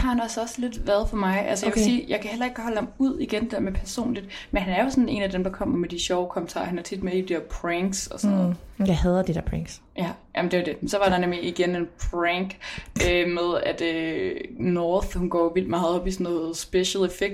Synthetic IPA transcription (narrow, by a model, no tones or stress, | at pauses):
hɑ̈hænɒ̽sɒ̽sle̝d̥ʋæɐðˠfɒ̽mɑ̈ɪʔæls̬əjaksiːjɑ̈ɪkʰæhel̰ɐe̝ɡ̥hɒləhɑmuð̞̰ˠiɡ̥end̥e̥eɐmepʰæɐso̝̰ːnlid̥menɦænæɐjo̝sɔ̽ne̝̰ːnæd̥emd̥ɑ̈kʰɒ̽m̰ɐmed̥iɕɒʊkʰɒmən̩t͡sʰɑ̰̈ːhænæɐt͡sʰid̥me̥i̥d̥i̥ḛɐpʰʁæŋɡ̥sɒ̽sɔnð̩ˠʋæhæðˠd̥id̥eɐpʰʁæŋs | jæjʔæmnd̥e̝ʋæd̥e̝mensɒ̽ʋɑ̈d̥ɑ̈nemliiɡ̥ene̝npʰʁæŋɡ̥ømeð̞ˠæd̥ø | nɒːθhunɡ̥ɒ̰ːʋil̰d̥mɑ̈ːð̩ˠɒ̽b̥isɒnɔ̽ːðð̩ˠsb̥eɕəlˠefeɡ̥̚